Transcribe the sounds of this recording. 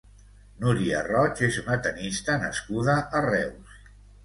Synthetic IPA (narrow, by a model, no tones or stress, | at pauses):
nuɾia̰rɔt͡ʃezunət̪ənist̪ənə̰skuðəːrɛws